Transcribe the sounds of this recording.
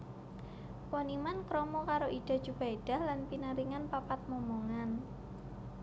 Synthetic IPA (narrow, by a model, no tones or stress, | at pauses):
ponimankɾɔmɔkaɾoʔid̥a̤d̥d͡ʒ̥ub̥aiɖ̥a̤hlanpinaɾiŋanpapat̪̚mɔmoŋan